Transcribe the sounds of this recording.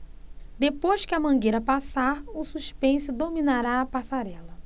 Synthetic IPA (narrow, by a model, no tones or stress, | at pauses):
d̪epojʃkɪɐmɐ̃ɡejɾɐpasaɾʊsuʃpẽsʊd̪ominaɾaːpasaɾɛlɐ